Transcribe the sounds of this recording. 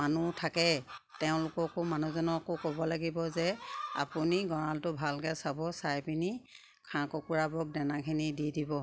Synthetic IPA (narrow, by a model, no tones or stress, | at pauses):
manutʰakɛtɛʊ̃lʊkɔkʊmanuzɔnɔkʊkobɔlaɡibɔzɛa̰puniɡɔɹaltʊbʱalkasabɔsajpini | kʰãkɔkuɹabɔk̚dɛnakʰinididibɔ